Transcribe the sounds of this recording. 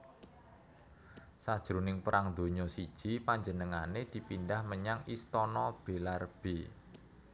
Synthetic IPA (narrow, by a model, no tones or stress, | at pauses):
sad̥ʒ̥ɾunɪŋpəɾaŋd̪̥o̤ɲɔsid̥ʒ̥i̤paɲd͡ʒənəŋaned̪̥i̤pindahməɲaŋʔist̪ɔnɔb̥e̤larb̥e